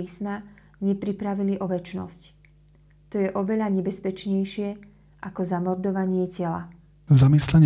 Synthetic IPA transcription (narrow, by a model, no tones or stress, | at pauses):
iːsma | ɲɛpɾipɾaʋiliʔɔʋɛt͡ʃnɔ̰sc | t̪ɔjɛʔɔʋɛʎaɲɛbɛspɛt͡ʃɲɛjʃɪɛ | ʔakɔzamɔɾd̪ɔʋaɲɪɛcɛla̰ | zamislɛɲ